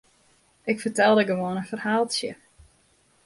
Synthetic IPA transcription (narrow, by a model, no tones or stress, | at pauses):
ʔɪkfərtɛlˠdəɡəʋoənənfərhaːlˠsjə